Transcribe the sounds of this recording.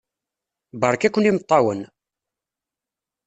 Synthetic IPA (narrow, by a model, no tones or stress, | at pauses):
bɑɾˤkækʷːənimət̪ˤːɑwən